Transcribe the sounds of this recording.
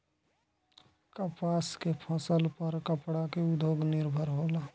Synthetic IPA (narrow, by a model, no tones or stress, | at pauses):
kəpaːskepʰɔ̃səlpəɾkəpɽakeʊd̪joːɡnɪɾbʱəɾɦoːlaː